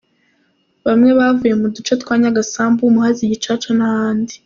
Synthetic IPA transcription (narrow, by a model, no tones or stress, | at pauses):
βamŋe̞βavujemudut͡ʃet̪kwaːɲaɡasaːmbumuhaziɟit͡ʃat͡ʃanahaːndi